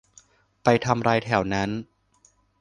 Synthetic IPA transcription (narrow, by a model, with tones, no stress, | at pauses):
pa˧jt̪ʰa˧mɾaː˧jt̪ʰɛ˩˦wna˦˥n